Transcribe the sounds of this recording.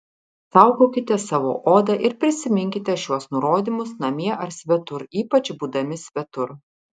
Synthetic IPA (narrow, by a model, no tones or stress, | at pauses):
sɑˑʊɡoːkʲɪt̪ʲɛsɑʋo̰ːʔoːd̪ɐʔɪɾpʲɾʲɪsʲɪmʲɪŋʲkʲɪt̪ʲɛʃʲuɔsnʊɾoːd̪ʲimʊsnɐmʲiɛʔɐɾsʲʋʲɛt̪ʊɾiːpɐt͡ʃbuːd̪ɐmʲɪsʲʋʲɛt̪ʊɾ